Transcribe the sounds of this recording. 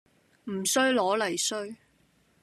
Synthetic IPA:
m̩˨˩sɵ˥ɥlɔː˨˥lɐ˨˩jsɵ˥ɥ

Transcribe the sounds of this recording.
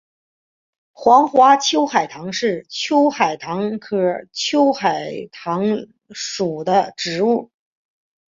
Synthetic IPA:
xwɑ˧˥ŋxwa˧˥t͡ɕʰjo˥ʊxa˨˩ɪt̪ʰɑ˧˥ŋʂɻ̩˥˩t͡ɕʰjo˥ʊxa˨˩ɪt̪ʰɑ˧˥ŋkʰɤ˧˥˩t͡ɕʰjo˥ʊxa˨˩ɪt̪ʰɑ˧˥ŋ | ʂu˨˩d̪ə˦ʈ͡ʂɻ̩˧˥u˥˩

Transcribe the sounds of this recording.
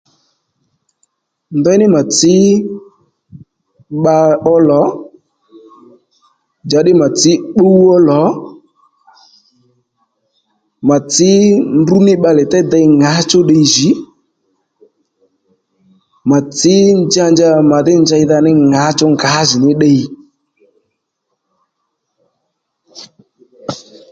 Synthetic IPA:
ndɛ˦nɪ˦ma˨t͡sɪ˨˦ | ɓa˧ɔ˦lɔ˨˦ | d͡ʒa˧ɗɪ˦ma˨t͡sɪ˨˦ɓo˦u˦ɔ˦lɔ˨˦ | ma˨t͡sɪ˦ndu˦nɪ˦ɓa˧lɛ˨tɛ˦d̪ə˧jŋa˨˦t͡ʃʊ˦ɗə˧i˨ʒi˨˦ | ma˨t͡sɪ˨˦nd͡ʒa˧nd͡ʒa˧ma˨ðɪ˦nd͡ʒa˧ɪ˧ða˧nɪ˦ŋa˨˦t͡ʃʊ˦ŋɡa˨˦zɪ˨nɪ˦ɗə˧i˧

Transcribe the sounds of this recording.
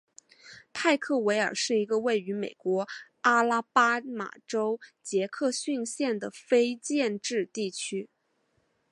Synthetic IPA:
t̪ʰa˥˧ɪkʰɤ˥˩we˧˥ɪə˞˨˩ʂɻ̩˥˩i˧˥ɡə˧we˥˩ɪy˧˥me˨˩ɪkwɔ˧˥ | a˥la˥pa˥ma̰˨˩ʈ͡ʂo˥ʊt͡ɕjɛ˧˥kʰɤ˥˧ɕy˥˧nɕjɛ˥˩nd̪ə˩fe˥ɪt͡ɕjɛ˥˧nʈ͡ʂɻ̩˥˧t̪i˥˩t͡ɕʰy˥

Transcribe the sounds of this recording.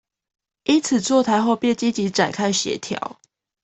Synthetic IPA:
i˦nt͡sʰɨ˨˩t͡swɔ˥˨t̪ʰa˧˦ɪxo˥˧ʊpjɛ˥˨nt͡ɕi˦t͡ɕi˨˦ʈ͡ʂa˨˩nkʰa˥ɪɕɥɛ̰˨˦t̪ʰjɑ̰˨˦ʊ

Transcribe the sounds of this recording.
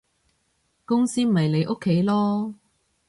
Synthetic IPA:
kʊ˥ŋsiː˥m̩˨˩ɐ˨jle˨˧jʔo˥kʰːe˨˥jlɔː˥

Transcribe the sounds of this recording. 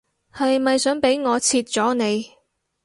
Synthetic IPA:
hɐ˨jmɐ˨jsœː˨˥ŋpe˨˥jŋɔː˨˧t͡sʰiː˧t̚t͡ʃɔː˨˥ne˨˧j

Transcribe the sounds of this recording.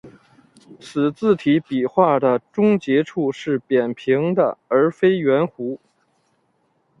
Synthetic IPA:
t͡sʰɹ̩˨˩t͡sɹ̩˥˩t̪ʰi˧˥pi˨˩xwa˥˩d̪ə˩ʈ͡ʂʊ˥ŋt͡ɕjɛ˧˥ʈ͡ʂʰu˥˧ʂɻ̩˥˩pjɛ˨˩npʰi˧˥ŋd̪ə̰˧ə˞˧˥fe˥ɪɥɛ˧˥nxu˧˥

